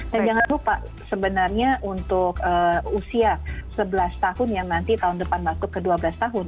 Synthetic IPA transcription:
d̥and͡ʒaŋanlupa̰ʔ | səbənarɲaʔunt̪ʊkəːusiasəbəlast̪ahʊnjaŋnant̪it̪aɦʊndəpanmat̪ʊkəduabəlast̪aɦʊn

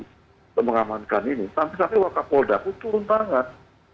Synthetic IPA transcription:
əməŋamankaninit̪ampisampɛwakapɔldakut̪uɾʊnt̪aŋan

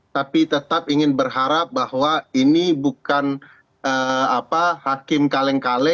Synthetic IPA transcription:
t̪apit̪ət̪apiŋɪnbərɦaɾap̚bahwainibukan | ʔəapahakɪmkalɛŋkalɛ

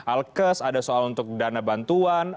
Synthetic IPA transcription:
ʔalkəsadasoalunt̪ʊk̚danabant̪uan

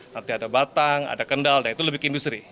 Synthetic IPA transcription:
nənt̪iadabat̪aŋa̰dakəndaldanit̪uləbɪkindust̪ɾi

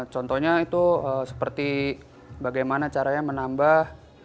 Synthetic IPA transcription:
t͡ʃɔnt̪ɔhɲait̪uəsə̥pərt̪i | baɡajmanat͡ʃaɾajaŋmənambah

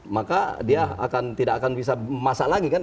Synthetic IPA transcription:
makadiaa̰kant̪idakakanbis̬amasalaɡikan

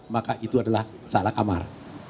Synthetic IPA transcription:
makaʔit̪uadalah | salakama̰r

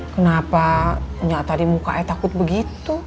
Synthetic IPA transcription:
kənapaɲaʔt̪adimuka̰ʔɛt̪akʊt̪̚bəɡit̪u

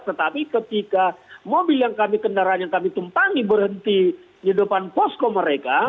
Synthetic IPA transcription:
t̪ət̪apikət̪ikamobiljaŋkamikəndaɾaanjaŋkamit̪umpaŋibərhənt̪i | idupanpɔskoməɾeka

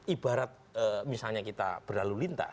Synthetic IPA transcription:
ibaɾat̪̚əmisalɲakit̪a̰b̥ərlalulint̪a̰

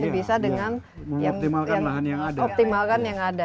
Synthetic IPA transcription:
bisadəŋan | məmjaɔŋp̚t̪imalkkanlaɦanjaŋadaɔp̚t̪imalkanjaŋada

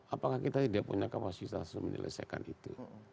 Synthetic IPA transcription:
apakahkit̪atidiapuɲakapasit̪asumənʔə̰lʔə̰sia̰kanit̪u

